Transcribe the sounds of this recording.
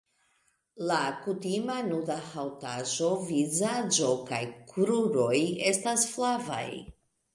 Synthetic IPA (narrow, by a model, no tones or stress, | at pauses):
lakutimanudahawtaʒo̞vizad͡ʒo̞kajkɾuɾo̞je̞stasflava̰j